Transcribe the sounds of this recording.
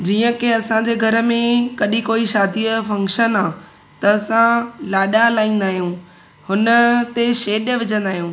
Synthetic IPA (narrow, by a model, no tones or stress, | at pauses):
d͡ʑiːə̃keɐsãd͡ʑeːɡʱɐɾə̆mẽkɐɗĩkoːiʃaːd̪ʱifɐ̃ŋkʃənaː | t̪ɐːsãlaːɗalaːĩːn̆d̪aːɦijũː | hʊnə̆t̪eʃeːɗjəʋɪd͡ʑə̃nd̪aːɦijũː